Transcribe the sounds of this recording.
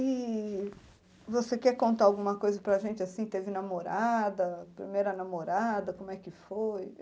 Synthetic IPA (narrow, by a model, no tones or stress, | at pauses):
i | vosekɛɾkõnt̪aawɡũmɐkojzɐpɾɐʒẽnt͡ʃɪasĩt̪evɪnamoɾad̪ɐpɾḭmejɾɐnamoɾad̪ɐkõmʊɛkɪfoj